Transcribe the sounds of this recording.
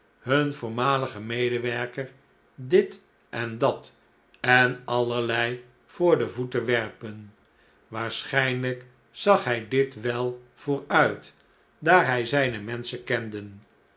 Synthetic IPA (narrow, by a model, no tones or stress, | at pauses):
ɦɵnvʊːɹmaːləχəmejdəʋɛɹkəɹ | dɪt | ʔɛndɑt | ɛnɑləɹlɛj | fʊːɹdəvutəʋɛrpən | ʋaːɹsχɛjnlək | sɑχɦɛjdɪtʋɛlˠv̥ʊːɹœɥt | daːɹɦɛjzɛjnəmɛnsəkɛndən